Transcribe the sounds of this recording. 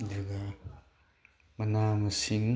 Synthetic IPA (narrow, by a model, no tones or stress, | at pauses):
dɯɡa | mɐnamɐsiŋ